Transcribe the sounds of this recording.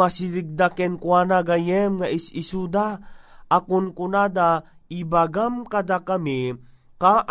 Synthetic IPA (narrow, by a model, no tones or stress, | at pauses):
asiliɡ̚d̪akɛnkwaːnaɡajɛmŋaʔisisud̪aʔakʊnkʊnad̪a | ibaɡamkad̪akami | kaʔ